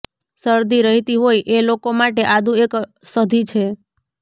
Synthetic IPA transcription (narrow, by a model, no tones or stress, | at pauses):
səɾd̪ʱiɾəɦit̪iɦojʔelokomaʈeʔad̪ʱũeksəd̪ʱit͡ʃʰe